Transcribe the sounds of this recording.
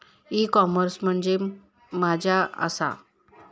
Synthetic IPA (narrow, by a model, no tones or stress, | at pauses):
ikɔməɾsm̤əɳd͡ze | mad͡ʑʱjaə̰sa̰